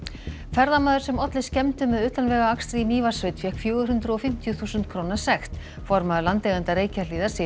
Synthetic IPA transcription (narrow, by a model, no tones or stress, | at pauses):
fɛɾðamaːðʏɾsɛmɔt̪lɪscɛmt̪ʏmɛðʏːt̪anvɛːɣaakst̪ɾimiːvḁsvejt̪fjɛhkfjœːɣʏɾ̥hʏnt̪ɾʏɔfɪm̥t̪jʏθuːsʏnt̪̚kʰɾownḁsɛxt̪ | fɔɾmaðʏlant̪lɛɣant̪aɾeːjcʰaliːðḁsɪ